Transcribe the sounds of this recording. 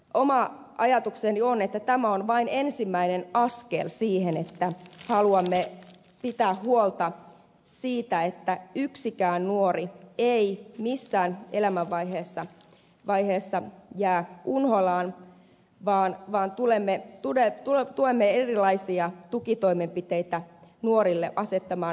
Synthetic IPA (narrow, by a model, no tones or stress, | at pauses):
ʔomɑ | ʔɑjɑt̪uksenionet̪ːæt̪æmæonʋɑinensimːæinenɑskelsiːhenet̪ːæhɑluɑmːe | pit̪æːhhuolt̪ɑ | siːt̪æet̪ːæyksikæːnnuorieimisːæːnelæmæʋːɑiɦeːsːɑ | ʋɑiɦeːsːɑjæːʔunholɑːn | ʋɑːnʋɑːnt̪ulemːet̪uet̪ult̪uemːeerilɑisiɑt̪ukit̪oimempit̪eit̪ænuoɾilːeʔɑset̪ːɑmɑː